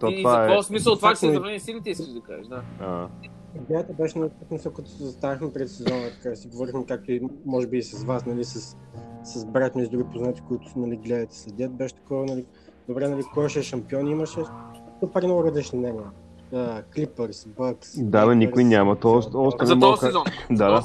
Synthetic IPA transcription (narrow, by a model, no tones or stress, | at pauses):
t̪ovaɛɔsmisəlˠt̪vanlɾvnisilit̪ɛiskkəʃd̪ɐka̰ʒʃd̪aaɦ | iɡlɛət̪ɛbɛʃɛnɐlit̪vasmisəlˠkɐt̪ɔ̥sɛzɐst̪avixmɛpɾɛt̪sɛzɔnət̪ɐ̥kaʒɛsiɡovɔɾixmɛkak̚t̪oimɔʒɛbiːsɐsvasnɐlisɐsːɐzbɾat̪nizd̪ɾuɡipoznat̪i̥koit̪ʊ̥snɐliɡlɛət̪ɛ̥slɛd̪ʲət̪̚bɛʃɛ̥t̪ɐ̥kɔvənɐli | d̪obɾɛnɐlikkɔjʃɛʃɐmpiɔniməʃɛt̪opɐɾiɛnɔɡʊɾɐzlit͡ʃninɛniɛ | klipɛɾsbɐksd̪aanikʊinʲamɐt̪ɔʃt̪ɔʃt̪ɛnɐɛmɔk̪ɔnd̪ad̪a